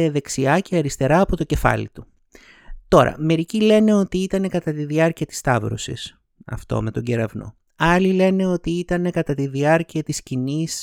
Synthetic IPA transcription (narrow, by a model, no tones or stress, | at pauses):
eðe̞ksiɐceɐɾist̪e̞ɾɐːpo̞t̪o̞ce̞fɐ̰lḭt̪u | t̪o̞ɾʔɐ̰me̞ɾicile̞ne̞o̞t̪iit̪ɐne̞kɐt̪ɐt̪iðiɐɾciɐt̪i̥st̪ɐvɾo̞̰sḭs | ɐ̰ft̪o̞̰me̞t̪o̞ɲɟe̞ɾɐvno̞̰ | ɐlile̞ne̞o̞t̪iit̪ɐne̞kɐt̪ɐt̪iðiɐɾciɐt̪iscinis